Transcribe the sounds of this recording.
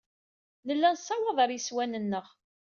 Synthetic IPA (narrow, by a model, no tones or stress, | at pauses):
nəlːænsːɑwɑðˤɑɾjəswænənːəʁ